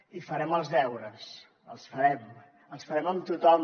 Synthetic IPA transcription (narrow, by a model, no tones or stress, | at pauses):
ifəɾɛməlˠzðɛwɾəs | ə̰lˠsfəɾɛm | əlˠsfəɾɛməmt̪ut̪ɔm